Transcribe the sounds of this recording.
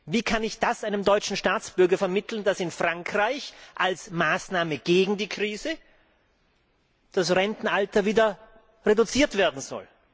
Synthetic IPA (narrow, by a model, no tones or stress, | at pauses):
viːkʰanɪçd̥asʔaɪnəmdɔʏt͡ʃn̩ʃtaːt͡sb̥ʏɐɡɐfɛɐmɪtʰl̩nd̥asɪnfʁ̥aŋkʁ̥aɪçʔalsmaːsnaːməɡ̥eːɡŋ̩diːkʁ̥iːzə | d̥asʁɛntn̩altɐviːdɐ | ʁedʊt͡siːɐtv̥eːɐdn̩zɔ̰l